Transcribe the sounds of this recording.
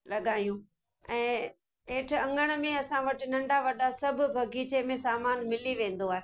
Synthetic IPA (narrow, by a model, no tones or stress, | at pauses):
lɐɠaːjũ | ɛ̃ː | ɦeːʈ̆ʰɐ̃ŋɡəɽ̃mẽɐsãʋɐʈɪ̆nɐ̃ɳɖʱaʋɐɗasɐbʱʊbʱɐɡʱiːt͡ɕemẽsaːmaːnmɪliʋẽːn̆d̪oaːɦeː